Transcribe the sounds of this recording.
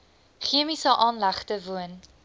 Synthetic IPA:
χiəmisəʔɑːnlæχtəvuən

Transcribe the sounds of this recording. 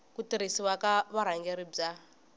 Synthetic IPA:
kutiɾisiwakaβaɾ̤aŋɡɛɾib͡ʐa

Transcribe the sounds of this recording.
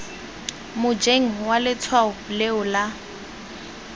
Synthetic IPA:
mʊd͡ʒeŋ̩walɪt͡sʰwaʊleʊla

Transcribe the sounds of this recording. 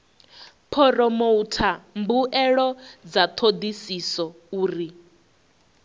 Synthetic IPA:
pʰɔrɔmoutʰambuʔɛɺɔd͡zat̪ʰod̪isisɔ | uːri

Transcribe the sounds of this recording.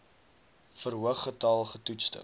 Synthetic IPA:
fərɦuəχːətɑlˠχətutstə̰

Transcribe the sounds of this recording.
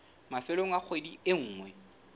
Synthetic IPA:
mafɪloŋ̩ak͡xʰwediɪŋ̩ːŋwɛ

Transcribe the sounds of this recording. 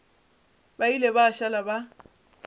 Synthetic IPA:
bailebaːʃalaba

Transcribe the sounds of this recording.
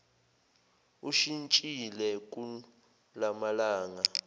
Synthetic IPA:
uʃint͡ʃʼilɛk̬ʼu | lamalaːŋa

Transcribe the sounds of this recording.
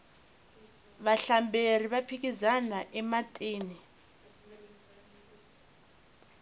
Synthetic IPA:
βaɬambʱeriβapʰik̬izanaʔɛmatʼiːni

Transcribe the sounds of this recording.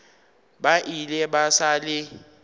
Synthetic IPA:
baʔilɛɓasalɪ

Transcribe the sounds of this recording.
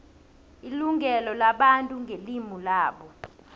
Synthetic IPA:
iluŋʱɛlɔlaɓantʼuŋʱelimulaːɓɔ

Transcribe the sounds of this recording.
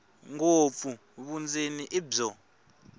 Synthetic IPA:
ŋop̪fu | βund͡zʱeniʔibɔ

